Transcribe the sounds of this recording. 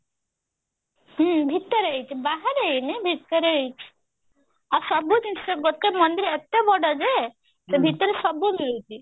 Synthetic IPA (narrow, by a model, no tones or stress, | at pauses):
ɦbʱit̪ːəɾəit͡ʃʰibaɦaɾeinibʱit̪ːəɾəit͡ʃʰi̥ | asɔbʱud͡ʒinʰiseɡot̪emɔnd̪iɾet̪ebɔɽɔd͡ʒe | sebʱit̪əɾesɔbʱumilut͡ʃi